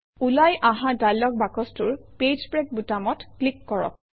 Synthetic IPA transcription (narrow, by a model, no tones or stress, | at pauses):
ulajʔãɦãdajlːɔk̚bakɔstuɹped͡ʒpɹɛk̚butamɔtklikːɔɹɔ̰k̚